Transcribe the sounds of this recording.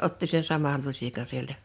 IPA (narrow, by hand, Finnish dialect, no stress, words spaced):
otːi sen sɑmɑl lusʲikɑn sieltæ